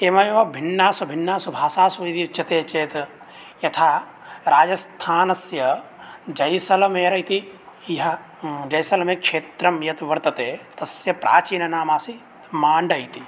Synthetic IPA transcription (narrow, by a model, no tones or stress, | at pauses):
eːmɐjeʋɐbʱinːaːsɐbʱɪnːaːsubʱaːsaːsuɐjt̪it͡ʃːɐt̪eːt͡ʃeːt̪ | jɐt̪ʰaː | ɾaːd͡ʒɐst̪ʰaːnɐsjɐ | d͡ʒɐjsɐlɐmeːɾɐjt̪iɦɐ | d͡ʒɐjsɐlɐmekʃeːt̪ɾɐmjɐt̪ʋɐɾt̪ɐt̪eːt̪ɐsjɐpɾʔa̰ːt͡ʃiːnɐnaːmaːsi | maːɳɖɐjt̪i